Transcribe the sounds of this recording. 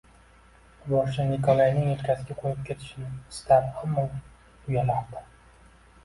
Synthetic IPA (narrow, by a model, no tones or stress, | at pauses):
bɒʃt͡ʃanikʰɒlˠajnɪŋelkʲʰasɪɡʲaqʰojɪp̚kʲʰe̞t̪ʰɪ̥ʃɪnɪst̪aɾamːɒ | ʊjalaɾd̪a